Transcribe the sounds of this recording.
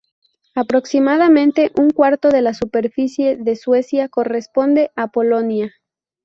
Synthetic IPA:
apɾo̞ksimaðamẽ̞nt̪e̞ʔuŋkwaɾt̪o̞ðe̞lasupe̞ɾfisje̞ðe̞swe̞sjako̞re̞spo̞nd̪e̞ʔapo̞lo̞nja

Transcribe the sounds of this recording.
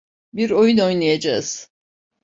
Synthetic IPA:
biɾo̞juno̞jnˠajad͡ʒaz̥

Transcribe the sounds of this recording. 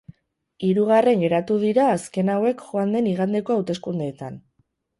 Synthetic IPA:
iɾuɣare̞ŋɡe̞ɾat̪uð̞iɾaːske̞nawe̞kʝo̞and̪e̞niɣ̞and̪e̞ko̞awt̪e̞skund̪eːt̪a̰n

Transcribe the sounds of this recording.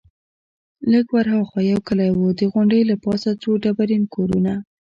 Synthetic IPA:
ləɡwaɾɦawxwajawkəlajwud̪əɣʊɳɖəjlapɑsat͡soɖabaɾinkʰoɾuna

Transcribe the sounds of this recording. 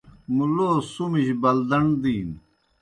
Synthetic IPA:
muloːsumiɕbɐld̪ɐɳd̪iːn

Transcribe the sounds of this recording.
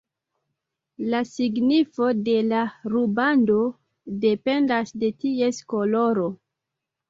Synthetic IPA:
lasiɡnifo̞de̞laɾubando̞ | de̞pe̞ndasde̞tiesko̞lo̞ɾo

